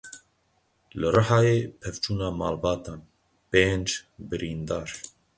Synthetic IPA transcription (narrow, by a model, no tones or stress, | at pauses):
lɨrɨhɑːjeːpʰɛvt͡ʃuːnɑːmɑ̰ːlbɑːt̪ɑːn | peːnd͡ʒbɨɾiːnd̪ɑːɾ